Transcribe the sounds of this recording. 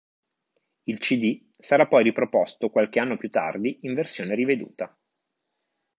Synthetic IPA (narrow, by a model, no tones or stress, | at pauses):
ilt͡ʃid̪i | saɾapːɔjɾipɾopɔst̪okwalkeanːopjut̪ːa̰rd̪iiɱversjoːneɾived̪ṵːt̪a